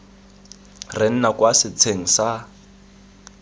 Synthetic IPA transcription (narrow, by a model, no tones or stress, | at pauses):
rɪn̩nakʼwasɪt͡sʰeŋ̩sa